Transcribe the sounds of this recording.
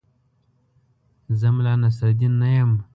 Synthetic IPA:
zəmlɑnas̬ad̪inːajəm

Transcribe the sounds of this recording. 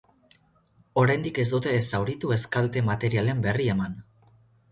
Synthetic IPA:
o̞ɾajnd̪ike̞zd̪ut̪e̞sawɾit̪ue̞skalt̪e̞mat̪e̞ɾiale̞mbe̞rie̞man

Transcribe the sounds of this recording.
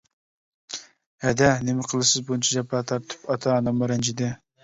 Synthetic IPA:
hɛd̪ɛnɪmɪqʰəlˠɨsɨzbunt͡ʃʰɑd͡ʒɑpʰːɑt̪ʰɑɾt̪ʰɨ̥pɑt̪ʰɑnɑmːɑɾɛnd͡ʒʰɪd̪ɪ

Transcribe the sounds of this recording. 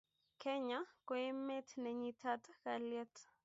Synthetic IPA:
kʰɛɲakoemetnɛɲitʰatakaljɛt

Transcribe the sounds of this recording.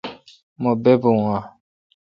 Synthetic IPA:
mɔ̃bɛboŋã

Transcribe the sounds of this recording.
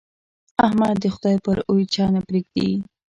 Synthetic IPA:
ahmad̪d̪əxʊd̪ɑjpəɾojt͡ʃɑnapɾeɡ̚d̪ḭ

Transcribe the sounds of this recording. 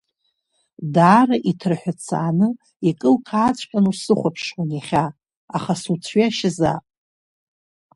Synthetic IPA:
daːraʔitʰrħʷᶣat͡sʰa̰ːnɨ | ikʼɨlkʰaːt͡sʷʰʼħʲʷᶣanusɨχʷapʰʂwonjaχʲa | aχasut͡sʷʰɥaʃɪza̰pʼ

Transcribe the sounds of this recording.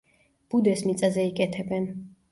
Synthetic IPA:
b̥ud̪ɛsmit̪sʼazɛikʼɛt̪ʰɛbɛn

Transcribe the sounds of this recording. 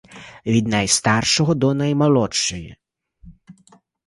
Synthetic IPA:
ʋʲid̪najst̪arʃɔɦɔd̪ɔnɐjmɐlˠɔt͡ʃːɔji

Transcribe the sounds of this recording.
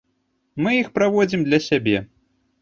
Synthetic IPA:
mɨjixpɾavɔd͡zʲimd̪lʲɐsʲabʲɛ

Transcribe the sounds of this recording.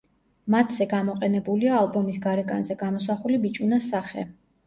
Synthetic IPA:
mat̪ʰz̥ɛɡamɔqʼɛnɛbuliaːlˠbɔmisɡaɾɛkʼa̰nzɛɡamɔsaχulibit͡ʃʼunasaχɛ̰

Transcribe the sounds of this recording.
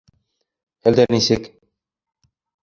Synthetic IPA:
æld̪ænisɘk

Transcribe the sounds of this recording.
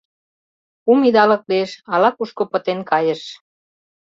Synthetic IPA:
umid̪ɑlɤ̆k̚lieʃɑlɑkuʃkopə̆t̪enkɑjə̆ʃ

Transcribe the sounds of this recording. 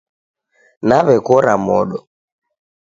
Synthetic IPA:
naβɛkɔɾamɔɗɔ

